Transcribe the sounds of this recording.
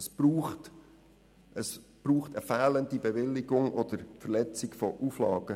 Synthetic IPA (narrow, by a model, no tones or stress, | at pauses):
əsb̥ɾuːχt | ʔəsb̥ɾuːχtəfæːləndibɛʋɪlːɪɡʊŋɔd̥̪əɾfəʁlɛt͡sɪkfɔʔuflɑːɡ̥ə